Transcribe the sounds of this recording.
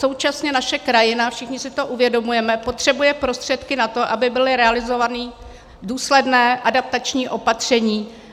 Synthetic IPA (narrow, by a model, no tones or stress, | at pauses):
so̞wt͡ʃasɲɛnaʃɛkɾajɪnafʃɪxɲɪsɪt̪o̞ʔuvjɛdo̞mujɛmɛpo̞t̪r̝̥ɛbujɛpɾo̞st̪r̝̥ɛt̪kɪnat̪o̞ʔabɪbɪlɪɾɛalɪzo̞vaniː | duːslɛdnɛːʔadap̚t̪at͡ʃɲiːʔo̞pat̪r̝̥ɛɲiː